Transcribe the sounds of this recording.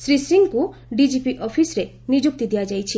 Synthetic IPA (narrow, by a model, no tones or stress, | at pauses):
sɾisɾiŋɡkuɖid͡ʒipiʔɔpʰisɾe | nid͡ʒuk̚t̪id̪ijad͡ʒajt͡ʃʰi